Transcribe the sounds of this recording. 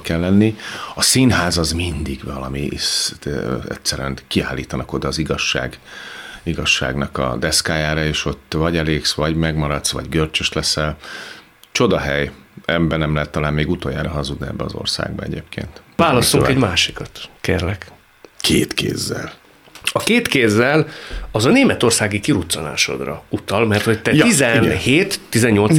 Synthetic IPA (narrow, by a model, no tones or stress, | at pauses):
kɛlːɛnːiɒsinɦaːzɒzmind̪iɡvɒlɒmiis | ɛ̰tsɛɾyɛnkiaːlːḭːt̪ɒnɒko̞d̪ɒːziɡɒʃːa̰ːɡ | iɡɒʃːa̰ːɡnɒkɒ̰d̪ɛskaːjaːɾɒeːʃo̞t̪ːvɒɟɛleːksʋɒɟmɛɡmɒɾɒt̪sʋɒ̰ɟɡørt͡ʃøʃt̪lɛsɛl | t͡ʃo̞d̪ɒɦɛjɛbːɛnɛmlɛɦɛt̪ːɒlaːmmeːɡut̪ojaːɾɒɦɒzud̪niɛ̰bːɛɒzo̞̰rsa̰ːɡ̚bɒ̰ɛ̰ɟḛːpkʰḛːnt̪vaːlɒsuŋkɛɟmaːʃikɒt̪kḛːrlɛk | kʰeːt̪kḛːzːɛ̰l | ɒkeːt̪keːzːɛlɒzɒneːmɛt̪o̞rsaːɡikiɾut̪sɒna̰ːʃo̞̰d̪rɒ̰ut̪ɒlmɛrt̪ho̞ct̪ɛjizɛnheːt̪ːizɛɲːo̞l